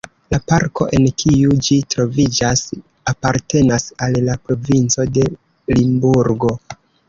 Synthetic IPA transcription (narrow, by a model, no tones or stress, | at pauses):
lapaɾko̞̰ʔe̞nkʰiud͡ʒitɾo̞vid͡ʒas | apaɾte̞nasallapɾo̞vint͡so̞de̞ | limbuɾɡo̞